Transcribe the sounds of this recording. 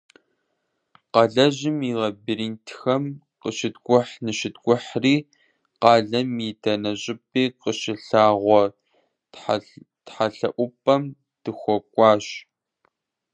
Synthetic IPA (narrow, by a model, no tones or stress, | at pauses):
qɐɮɐʑɪmiʁɐbiɾiːntʰxɐm | qəʃɪdɡʷʊħnɨʃɪdɡʷʊħriː | qɑːɮɐmidɐnɐɕʼɪpʰʼeːqəʃɪɬaːʁʷɔ | tħaɬɐʔʷʊpʰʼɐm | d̥ɨxʷɔkʷʼɑːɕ